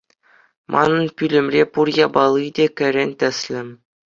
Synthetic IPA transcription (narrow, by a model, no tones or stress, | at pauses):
mʔɑ̰nɤ̆npʲylʲɘ̆mrʲepurjɑbɑlˠɯdʲekʲɘ̆ɾʲenʲt̪ʲɘ̆sʲlʲɘ̆m